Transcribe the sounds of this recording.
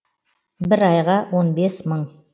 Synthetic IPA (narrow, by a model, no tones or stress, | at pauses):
bɪɾɑjʁɑwonbe̞sməɴ